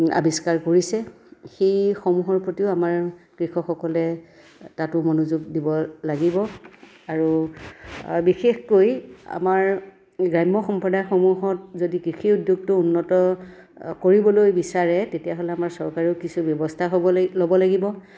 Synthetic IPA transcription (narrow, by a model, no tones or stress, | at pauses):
a̰biskaɹkoɹisɛ | xejxomuɦɔɹpɹotiʊamaɹkɹixʰɔxɔkɔlɛ | tatʊmɔnuzuɡ̚dibɔlaɡibɔ | aɹu | bixexkoja̰maɹ | ɡɹajmːɔxɔmpɔdajxomuɦɔt̚zodikɹixiudjuɡ̚tʊunːɔtɔ | koɹibɔlojbisaɹɛtetijaɦolɛamaɹsɔɹkaɹɔkisubjɔbɔstʰaɦoɔlobɔlaɡibɔ